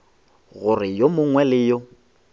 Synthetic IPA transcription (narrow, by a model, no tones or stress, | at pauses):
ɣʊrɪjomʊŋwɛlɪjʊ